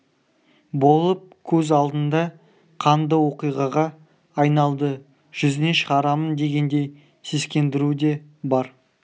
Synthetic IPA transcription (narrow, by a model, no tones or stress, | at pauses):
bo̞lˠəp̚kʲʰɵzɑlˠd̪ənd̪ɑ | qʰɑnd̪əwo̞qijʁɑʁɑː | jnɑlˠd̪ə | ʒ̥ʏzne̞ʃəʁɑɾɑmənd̪e̞ɡʲe̞nd̪e̞j | seskʲe̞nd̪ɪɾud̪e̞bɑɾ